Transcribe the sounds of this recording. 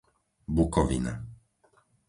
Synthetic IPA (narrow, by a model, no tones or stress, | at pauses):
bukɔʋḭna̰